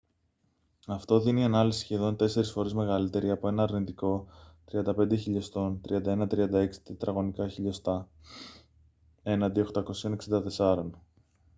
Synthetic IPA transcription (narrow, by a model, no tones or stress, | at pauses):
ɐft̪o̞ðiniɐnɐlisi̥sçe̞ðo̞nt̪e̞se̞ɾisfo̞ɾeme̞ɣɐlit̪e̞ɾiɐpo̞e̞nɐːɾnit̪iko̞t̪ɾiɐnd̪ɐpe̞nd̪eçiʎo̞st̪o̞nt̪ɾʔiɐnd̪ɐe̞nɐt̪ɾiɐnd̪ɐeksi̥t̪et̪ɾɐɣo̞nikɐçiʎo̞st̪ɐ | e̞nɐd̪io̞xt̪ɐko̞sio̞ne̞ksind̪ɐt̪e̞sɐɾo̞n